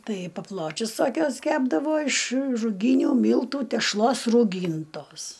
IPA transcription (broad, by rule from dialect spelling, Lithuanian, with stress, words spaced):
ˈtɐɪ pɐˈplˠoːt͡ʃʲʊs toːˈkʲuɔs ˈkʲæːbdɐʋoː ɪʃ rʊˈɡʲiːnʲuː ˈmʲiːlˠtuː tʲɛʃˈlˠoːs ruːˈɡʲiːntoːs